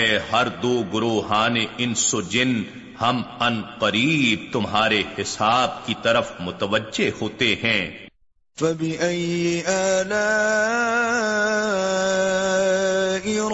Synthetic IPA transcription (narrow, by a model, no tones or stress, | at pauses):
hɐɾd̪oːɡʊɾoːɦaːneɪnsod͡ʒɪn | hɐmɐnqɐɾiːb̚t̪ʊmɦaːɾehɪsaːb̚kit̪ɐɾəfmʊt̪əʋəd͡ʒːehoːt̪eɦɛ̃ː | fɐbɪʔɐjʔaːlaː | ɪ